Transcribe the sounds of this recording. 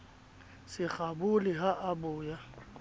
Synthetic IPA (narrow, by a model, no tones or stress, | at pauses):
sɪk͡xabʊlɪɦaʔabʊːja